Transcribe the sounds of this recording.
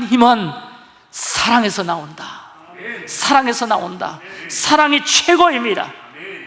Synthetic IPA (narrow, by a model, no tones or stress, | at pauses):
nɦimʌn | sʰaɾaŋe̞sʰʌnaonda | sʰaɾaŋe̞sʰʌna̰onda̰sʰaɾaŋit͡ɕʰweɡoimɲida̰